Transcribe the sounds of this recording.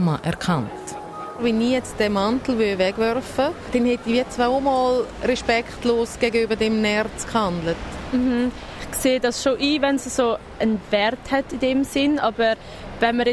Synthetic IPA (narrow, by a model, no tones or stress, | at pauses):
maʔɛɾkʰant | vɛnːiːjɛt͡sd̥ɛmantl̩ʋøvɛɡ̥vɛɾfəd̥ɛnhɛtːiviːət͡svaomɔːlrɛʃpɛkχtloːsɡ̥ɛɡəybədɛmnɛɾt͡skhandlətm̩h̩ | ɪχkseːdɑsʃoʔiːvɛnsəso | ənvɛɾthɛtidɛmsɪnɑbəɾ | vɛnməɾɛ